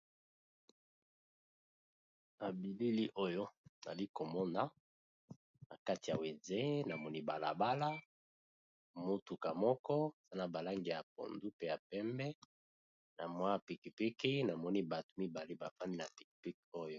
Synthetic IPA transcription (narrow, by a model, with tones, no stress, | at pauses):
na˨bi˨li˦li˦ʔo˦jo˦na̰˨li˦ko˨mɔ˦na˦ | na̰˨ka˦ti˨a˨we˨nze˦na˨mɔ˦ni˦ba˨la̰˨ba˦la˦ | mo˦tu˨ka˨mɔ˦kɔ˦˨za˦na˨ba˨la˦ŋɡi˨ja˨p̚o̰˨ndu˦pe˦ja˨pɛ˦mbɛ˦ | na˨mwa˦˨pi˨ki˨pi˦ki˦na˨mɔ˦ni˦ba˨tu˨mi˦ba˨le˦ba˨fa˦ni˦na˨pi̥˨ki̥˨pi˦ko˦jo˦